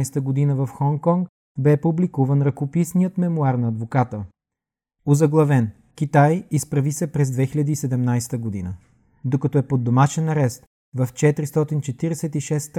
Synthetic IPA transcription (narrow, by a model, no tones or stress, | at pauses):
jst̪əɡod̪inəvɐfxɔŋkɔŋk | bɛpublikuvənɾɐkopisnijət̪mɛmuaɾnɐɐd̪vokat̪ə | ozɐɡlˠɐvɛn | k̟ʲit̪ajispɾɐvisɛpɾɛzd̪vɛxilʲɐd̪iːsɛd̪ɛmnajsɛ̥t̪əɡod̪inə | d̪okɐt̪ɔɛpod̪ːomaʃɛnɐɾɛst̪ | vɐft͡ʃɛt̪ɾist̪ɔt̪int͡ʃɛt̪iɾɛsɛt̪iʃɛst̪